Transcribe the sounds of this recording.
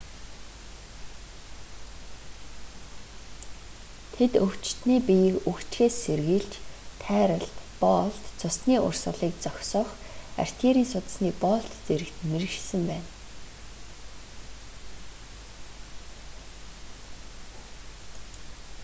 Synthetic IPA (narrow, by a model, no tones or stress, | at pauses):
t̪ʰet̪ɵwt͡ɕt̪niːpijɘ̆kɵkt͡ɕxeːserɣiːɬt͡ɕt̪ʰːæːɾə̆ɮt̪pɔːɮt̪t͡sʰʊsniːʔʊ̰rsə̆ɮiːk̚t͡sɔxʲsɔːχ | a̰r̥ʲt̪ʰiɾiːnsʊt̪̆sniːpɔːɬt̪t͡seɾɘ̆kt̪meɾɘ̆ʃsɘ̆mpæːn